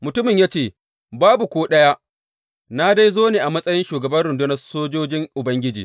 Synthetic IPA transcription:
mʊ˨tʊ˦mɪ˨ɲjaː˦t͡ʃeː˦˨ | baː˦bu˨kʷoː˦ɗɐ˦ja˦ʔ | na˦da˦jzoː˦neː˨ʔa˨mɐ˦sʼɐ˦jɪ˦nʃuː˨ɡɐ˨bɐ˦nɽɪ˨ndʊ˦nɐ˦soː˦d͡ʒoː˦d͡ʒɪ˦ŋʔʊ˨bɐ˦ŋɡʲɪ˦d͡ʒḭː˨

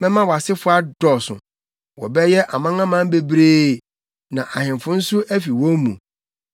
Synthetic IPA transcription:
mɛ̃˦mã˦wɔ˨a˨sɪ˦fʊ˦a˦dɔ˨sʊ̰̃˨ | wɔ̰˨bɛ˦jɛ˦ʔa˨mã˦ã˦mã˦m˦be˨bɾeː˦˨ | nã˨ʔa˨hɪ̃˨mfʊ̃˦n̩˦sʊ˦ʔæ˦fi˨wɔ˦mṵ̃˨

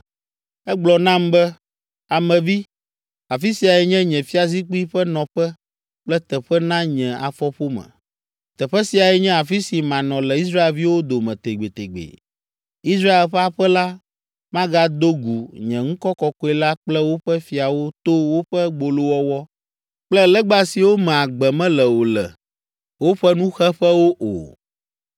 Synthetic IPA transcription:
ɛ˦ɡ͡blɔ˨nã˦mbɛ˦ | a˨mɛ̃˨vi˦ | a˨fi˦si˨a˨ɛ˨ɲɛ̃˦ɲɛ̃˨fi˦a˨zi˦k͡pu˦i˦ɸɛ˦nɔ̃˨ɸɛ˦ | k͡plɛ˦t̪ɛ˨ɸɛ˦nã˦ɲɛ̃˨a̰˨fɔ˦ɸo˦mɛ̰̃˨ | t̪ɛ˨ɸɛ˦si˨a˨ɛ˨ɲɛ̃˦a˨fi˦si˨mã˨nɔ̃˨lɛ˨i˦s̬ɾa˦e˨lvi˦wo˦d̪o˨mɛ̃˨t̪e˨ɡ͡be˨t̪ḛ˨ɡ͡bḛ˨ | i˦s̬ɾa˦e˨lɸɛ˦a˦ɸɛ˦la˦ | mã˦ɡa˦d̪o˦ɡu˨ɲɛ̃˨ŋũ˦kɔ˦kɔ˦kɔ˦ɛ˦la˦k͡plɛ˦wo˦ɸɛ˦fi˨a˨wo˦t̪o˦wo˦ɸɛ˦ɡ͡bo˨lo˦wɔ˦wɔ˦ | k͡plɛ˦lɛ˦ɡ͡ba˦si˨wo˦mɛ̃˨a˨ɡ͡bɛ˨mɛ̃˦lɛ˨wo˨lɛ̰˨ | wo˦ɸɛ˦nũ˦xɛ˦ɸɛ˦wo˦ʔo̰˨

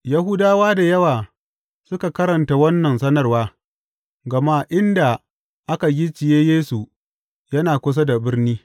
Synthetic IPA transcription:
jɐ˦hʊ˦daː˦waː˦da˨jɐ˦waː˨ | sʊ˦ka˨kɐ˦ɾɐ˨nta˨wɐ˦nːɐ˨nsɐ˦nɐ˨rwaː˦ | ɡɐ˨ma˦ʔɪ˦nda˨ | ʔa˦ka˨ɡʲi˦t͡ʃɪ˨jeː˦jeː˦su˨ | jɐ˦naː˨kʷʊ˦s̬a˦da˨bɪ˦rniː˦

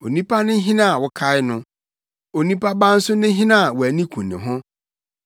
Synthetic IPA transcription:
o˨nĩ˦pʰa˦nɪ̃˦ɦɪ̃˦nã˦a˨wʊ˨kʰa˦ɪ˦nʊ̃˦ | o˨nĩ˦pʰa˦bã˦n̩˦sʊ˦nɪ̃˦ɦɪ̃˦nã˦a˨wɔ˨æ˨nĩ˦kʰũ˨nɪ̰̃˨ɦʊ̃˦

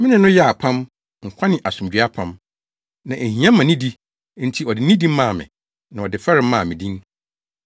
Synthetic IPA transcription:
mɪ̃˦nɪ̃˨nʊ̃˦jɛ˦a˨pʰã˦m | ŋ̩˨kʷʰa˦nɪ̃˨ʔa˨sũ˨md͡ʑɥa˦pʰã˦m | nã˨ʔe˨hĩ˨˦ã˦mã˨nĩ˦di˦ | n̩˦tʰi˨ɔ˨dɪ˨nĩ˦dĩ˦mã˦˨mɪ̰̃˨ | nã˨ɔ˨dɪ˨fɛ˦ɾɪ̃˦m̩˦mã˦˨mɪ̃˨dĩ˦n

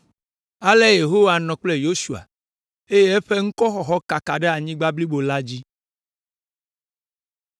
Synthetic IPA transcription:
a˦le˦je˨ɦo˦wa˨nɔ̃˨k͡ple˦jo˦su˨a̰˨ | e˦je˦e˦ɸe˦ŋ̩˦kɔ˦xɔ˨xɔ˦ka˨ka˨ɖɛ˦a˨ɲĩ˦ɡ͡ba˦bli˦bo˨la˦d͡ʑi˦

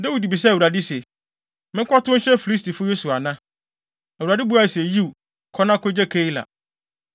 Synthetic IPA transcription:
da˦wi˨di˨bi˨s̬ɛ˦˨wu˨ɾa˨dɪ˦se˨ | mɪ̃˦kʷʰɔ˦tʊ̃˦ɕɛ˦fi˨li˦sti˨fʊ˦je˦su˨a˨nã˦ | æ˨u˨ɾa˨dɪ˦bu˦a˦˨se˨ji˦˨ | kʰɔ˦nã˦kʰo˦d͡ʑɛ˦kʰe˦i˦la̰˨

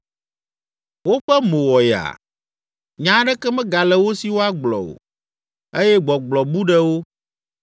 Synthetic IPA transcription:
wo˦ɸɛ˦mõ˨wɔ˨ja̰˨ | ɲã˦ɖɛ˦kɛ˦mɛ̃˦ɡa˨lɛ˨wo˦si˨wo˦a˦ɡ͡blɔ̰˨o̰˨ | e˦jɛ˦ɡ͡bɔ˨ɡ͡blɔ˨bu˦ɖɛ˦wo˦

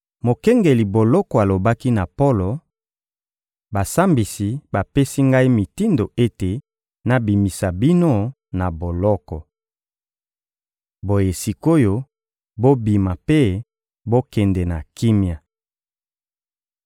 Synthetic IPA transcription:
mo˨kɛ˦ŋɡe˨li˨bo˨lɔ˦kɔ˨a˨lo˨ba˦ki˦na˨po˦lo˨ | ba˨sa˦mbi˨si˨ba˨pe˦si˦ŋɡa˦i˦mi˨ti˦ndo˨e˦te˨ | na˨bi˨mi˨sa˨bi˦no˦ | na˨bo˨lɔ˦kɔ˨ | bo˨je˨si˨ko˦jo˦ | bo˦bi˨ma˨pe˦ | bo˦kɛ˨ndɛ˨na˨ki˦mja˨

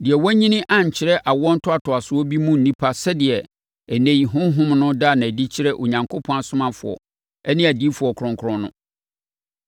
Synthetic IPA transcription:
dɪ˨ɛ˨wɔ˦ɲĩ˦nɪ̃˦ʔã˦ɲ̩˨t͡ɕʰɪ˨ɾɛ˦ʔa˨wɔ˦n̩˦tʰʊ˦a˨tʰʊ˨a˨sʊ˦ɔ˦bi˦mũ˦n̩˨nĩ˦pʰa˦sɛ˦dɪ˨ɛ˨ | æ˨næ̃˨ji˨ɦʊ̃˦ɦʊ̃˦mnʊ̃˦da˦˨nã˨di˦t͡ɕʰɪ˦ɾɛ˦ʔo˨ɲã˨ŋkʰo˦pʰɔ̃˦a˨sʊ̃˦mã˦fʊ̰˨ɔ̰˨ | ɛ˦nɪ̃˦æ˨di˦fʊ˨ɔ˨kʰɾɔ̃˨ŋkʰɾɔ̃˦nʊ̰̃˦

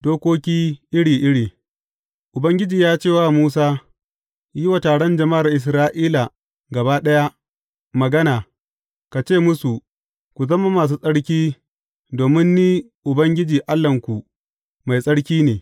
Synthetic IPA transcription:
doː˦kʷoː˦kʲiː˦ʔɪ˦ɽiː˨ʔɪ˦ɽiː˨ | ʔʊ˨bɐ˦ŋɡʲɪ˦d͡ʒiː˨jaː˦t͡ʃeː˦˨waː˦˨muː˦saː˦ | jɪ˦wa˨taː˨ɽɔ˦nd͡ʒɐ˨ma˦˨ɾa˨ʔɪ˨s̬ɾaː˦ʔiː˦la˨ | ɡɐ˨baː˦ɗɐ˦ja˦ | mɐ˨ɡɐ˦naː˨ | ka˨t͡ʃeː˦˨mʊ˦su˨ | kʷu˨zɐ˦ma˦maː˨s̬uː˦sʼɐ˦ɽk̬ʲiː˦ | doː˨mɪ˦nːiː˦ | ʔʊ˨bɐ˦ŋɡʲɪ˦d͡ʒiː˨ʔa˦lːɐ˨ŋkʷu˨ | ma˨jsʼɐ˦ɽkʲiː˦neː˨

